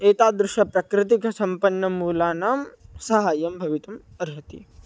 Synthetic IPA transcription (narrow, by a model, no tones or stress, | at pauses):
eːt̪aːd̪ɾɪʃɐpɾɐkɾɪt̪ikɐsɐmpɐnːɐmuːlaːnaːmsɐɦaːjɐmbʱɐʋit̪um | ɐɾɦɐt̪ḭ